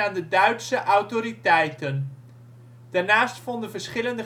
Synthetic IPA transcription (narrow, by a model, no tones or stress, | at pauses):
aːndədœɥtsəʔɑwtoɾitɛjtən | d̥aːɹnaːstfɔndənvəɹsχɪləndə